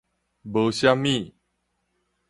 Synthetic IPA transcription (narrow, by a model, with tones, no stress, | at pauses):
bə˨ɕja˦mːĩ˥˨